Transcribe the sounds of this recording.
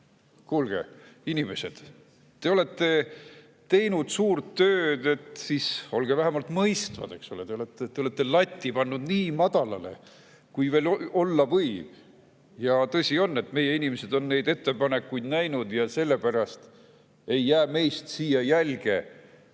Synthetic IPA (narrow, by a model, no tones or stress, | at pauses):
kuːlɡ̥e̞̰inime̞se̞d̪̥ː | e̞o̞le̞t̪ːe̞ | t̪e̞jnud̪̥suːrt̪ːøːd̪e̞t̪siso̞lɡ̥evæɦemɑlt̪mɤjst̪vɑ̰d̪̥e̞̰ksolet̪e̞olet̪ːeːeole̞t̪ːe̞lɑt̪ʲːipɑnːud̪niːmɑd̪ɑlɑle̞̰ | kujve̞ːlo̞lːɑvɤjv̥ | jɑt̪ɤ̞sʲio̞nːe̞t̪me̞jːe̞inimese̞d̪̥o̞nːe̞jd̪e̞t̪ːe̞pɑne̞kːujd̪næjnud̪̥jɑse̞lːe̞pæɾɑst̪ | e̞jːæːme̞jst̪siːjɑjælɡ̥e̞̰